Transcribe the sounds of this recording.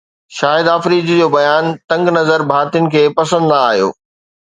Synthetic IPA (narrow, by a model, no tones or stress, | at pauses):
ʃaːɪd̪afɾiːd͡ʑd͡ʑoːbɐjaːnt̪ɐ̃ŋɡnɐzəɾbʱaːɾt̪ijʊnɪ̆kʰeːpɐsə̃nd̪aaːɦijo̰ː